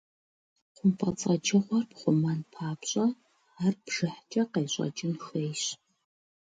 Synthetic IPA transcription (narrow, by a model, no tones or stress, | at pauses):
qʷʊmpʰʼɐt͡sʼɐd͡ʒɐʁʷɔrpχʷʊmanpʰaːpɕʼɐ | aːrbʒ̥ɨħt͡ʃʼɐqejɕʼɐ̰t͡ʃʼɪnxeːjɕ